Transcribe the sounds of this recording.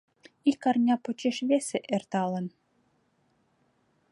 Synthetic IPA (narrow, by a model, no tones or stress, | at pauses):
ikɑrnʲɑpot͡ɕeʃβeseʔert̪ɑlə̆n